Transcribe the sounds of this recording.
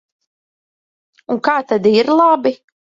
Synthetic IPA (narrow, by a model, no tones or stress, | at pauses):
uŋkaːt̪ad̪iɾlˠabi